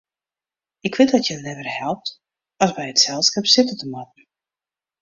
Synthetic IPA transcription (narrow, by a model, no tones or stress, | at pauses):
ɪkʋɪt̚dɔtjəənɛvərhɛlˠp̚t | ɔsbɛjətsɛlˠskɛpsɪtətəmatn̩